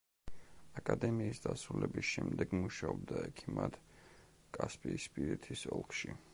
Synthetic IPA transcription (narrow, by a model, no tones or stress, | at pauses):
akʼad̪ɛmiːsd̪asɾulɛbisʃɛmd̪ɛɡmuʃaɔb̚d̪aɛkʰimad̪̥ | kʼaspʼiːspʼiɾit̪ʰisɔ̰lˠkʰʃi